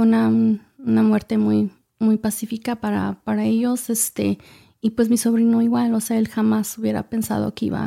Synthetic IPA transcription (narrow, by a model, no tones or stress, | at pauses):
unaunamwe̞ɾt̪e̞muj | mujpasifikapaɾa̰paɾaeʝo̞se̞st̪ḛ | ipwe̞z̬miso̞βɾinoiɣwalo̞seae̞lxamasuβje̞ɾa̰pe̞nsa̰ðo̞̰keḭβa̰